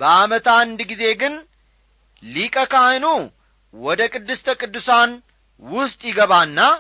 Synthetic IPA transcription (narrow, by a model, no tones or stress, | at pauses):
b̥əamət̪and̪ɡize̞ɡɨn | likʼəkajnu | wɔd̪əkʼɨd̪ːɨst̪ʰəkʼɨd̪ːɨsan | wʊst̪ʼjɪɡəβanːa